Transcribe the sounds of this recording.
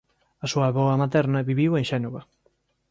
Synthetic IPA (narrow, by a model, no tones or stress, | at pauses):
ɐsuɐβɔɐmat̪ɛɾnɐβiβiweŋʃɛnoɣɐ